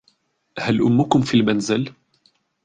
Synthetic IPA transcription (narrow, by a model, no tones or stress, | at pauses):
halʔʊmːʊkʊmfilmanzɪl